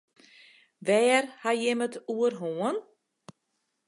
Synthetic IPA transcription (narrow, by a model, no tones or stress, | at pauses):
ʋɛːrhajɪmətʰuərɦoːən